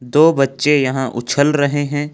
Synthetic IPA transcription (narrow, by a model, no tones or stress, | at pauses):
d̪oːbɐtːʃejɐɦãʔʊ̰t͡ʃʰəlɾɐɦeɦɛ̃ː